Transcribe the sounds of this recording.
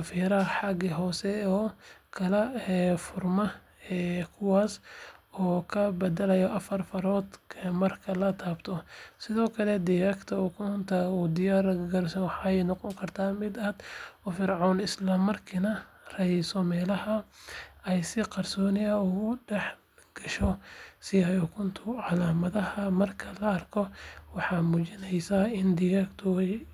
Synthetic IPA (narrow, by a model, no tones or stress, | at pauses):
fiːɾɐħɑɡɪɦɔːsɛɔːkʰɐlɐɛfʊrmɐ | ɛːkʰʊwaːsɔːkʰɐbɐd̪ɐlɐjɔʔɐfɐrfɐɾɔːd̪kʰɐmɐrkʰɐlɐt̪ʰaːbt̪ʰɔsɪðɔːkʰɐlɛd̪ɪjaːkt̪ʰɐuːkʰɔnt̪ʰɐuːd̪ɪjaːɾɡɐrsɐnwɑħɑɛjnɔqɔŋkʰɐrt̪ʰaːmɪd̪ɐd̪ɔfɪrʕɔːnɪslɐmɐrkʰinɐ | rɛjsɔmɛːlɐhɐ | ɛjsɪqɑrsɔːnɪjɐuʊɖɛħ | ɡ̥ɐʃɔsɪjajɔkʰʊnt̪ʰʊʕɑlaːmɐðɐhɐmɐrkʰɐlɐɐrkʰɔwɑħɑːmuːt͡ʃɪnɛjsaːɪnd̪ɪɣakt̪ʰʊɛj